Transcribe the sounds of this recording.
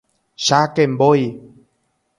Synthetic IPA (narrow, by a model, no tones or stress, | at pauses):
ʃakemboj